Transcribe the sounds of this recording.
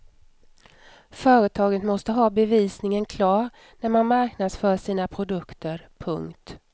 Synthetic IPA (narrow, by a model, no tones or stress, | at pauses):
fœːɾət̪ʰɑːɡət̪mɔst̪əɦɑːbɛviːsnɪŋənkʰlɑːɾ | næɾmanmaɾknad̪sfœːʂiːnapʰɾʊd̪ɵkt̪əɾpʰɵ̰ŋkt̪